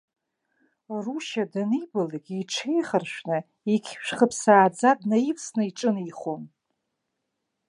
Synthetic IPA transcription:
ruʃadɨnibalikʲʼiʈ͡ʂʰejχərʃʷᶣnɨ | ikʲʰʃᶣχəpʰsaːd͡zadnaifsnɨiʈ͡ʂʼɨniχon

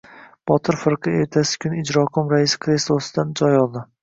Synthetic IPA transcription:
b̥ɒt̪ʰɪɾfɪɾqʰɨe̞ɾt̪ʰasɪ̥kʲʰʊnɪd͡ʒɾɒkʰʊmɾaɪsɪ̥kʰɾeslˠosɪd̪and͡ʒɒjɒlˠd̪ɪ

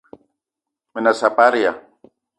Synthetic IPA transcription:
mɪnasapaɾja

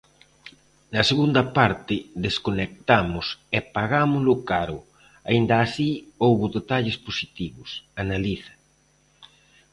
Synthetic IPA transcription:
nɐseɣund̪ɐpaɾt̪ɪðeskonek̚t̪amʊsɛpaɣamʊlʊkaɾʊ̰ | aind̪ɐːsiowβʊðet̪aʎɪsposit̪iβʊsanaliθɐ̥

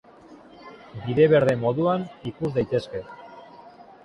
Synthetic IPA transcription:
biðe̞βe̞ɾð̞e̞mo̞ðuanikuzd̪ajt̪e̞ske̞

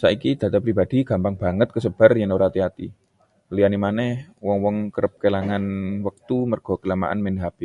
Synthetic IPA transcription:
saikid̪̥a̤t̪apɾibad̥̪iɡ̥a̤mpaŋb̥a̤ŋət̪̚kəsəb̥a̤rjəŋoɾat̪iat̪ḭ | lianimanɛhwɔŋwɔŋkəɾəp̚kelaŋanwək̚t̪umərɡ̥ɔ̤ɡ̥əlama̰ʔa̰nmɛnɦab̥i

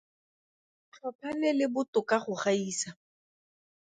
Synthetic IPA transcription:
t͡ɬʰɔpʰanɪlɪbʊtʊkaχʊχaiːsa

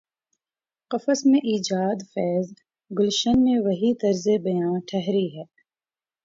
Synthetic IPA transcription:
qɐfəsmẽʔiːd͡ʒaːd̪fɛːz | ɡʊlʃənmẽʋɐɦit̪ɐɾzebɐjãːnʈʰɛɦɾiɦɛː

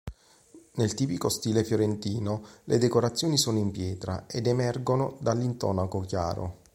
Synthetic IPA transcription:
nelt̪iːpikost̪iːlefjoɾent̪iːnolʔed̪ekoɾat̪sːjoːnisoːnoimpjɛːt̪ɾa̰ed̪emɛrɡonod̪alːint̪ɔ̰ːnakokja̰ːɾo̰

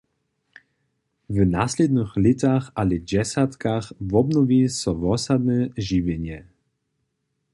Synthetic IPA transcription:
vnaslɛd̪nɨxlit̪axalɛd͡ʑɛsat̪kaxvɔbnɔvisɔvɔsad̪nɛʒivjɛɲjɛ

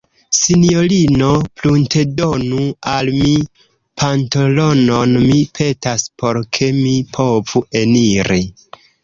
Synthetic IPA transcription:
sinjo̞lino̞plunte̞do̞nualmi | pʰantolo̞no̞nmipʰe̞taspo̞ɾkʰe̞mipʰo̞vue̞niɾi

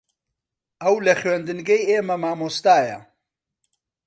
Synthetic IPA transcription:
ɐwlɐχɥend̪ɨnɡɐjeːmɐmaːmost̪aːjɐ̰

